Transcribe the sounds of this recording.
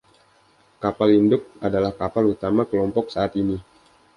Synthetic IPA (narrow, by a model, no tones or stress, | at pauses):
kapalindʊk̚adalahkapalut̪amakəlɔmpɔk̚saʔat̪ini